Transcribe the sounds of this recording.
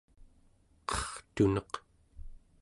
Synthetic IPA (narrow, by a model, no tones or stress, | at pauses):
qʌχt̪unʌq